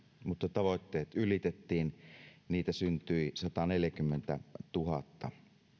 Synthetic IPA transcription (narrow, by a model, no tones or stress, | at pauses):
mut̪ːɑt̪ɑʋoˑt̪ːeːt̪ylit̪et̪ːiːnniːt̪æsynt̪yisɑt̪ɑneljækymːent̪æ̰t̪uɦɑ̰t̪ːɑ̰